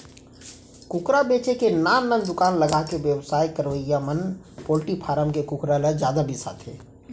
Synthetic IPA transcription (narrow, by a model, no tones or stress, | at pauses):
kʊkɾabeːt͡ʃekenaːnːənd̪ʊkaːnləɡakeʋjəwsaːjkəɾʋəjamən | poːlʈipʰaːɾəmkekʊkɾalad͡ʒjaːd̪abʱisa̰ːt̪ʰḛː